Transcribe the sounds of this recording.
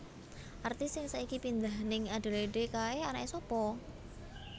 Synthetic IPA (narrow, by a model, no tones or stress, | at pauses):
ʔart̪ɪsɪŋsaikipind̪aɦnɪŋaɖ̥e̤liɖekaeanaʔesɔpɔ